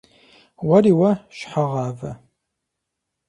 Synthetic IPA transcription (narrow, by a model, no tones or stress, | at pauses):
wɐɾiːwɐʃħaʁɑːvɐ̰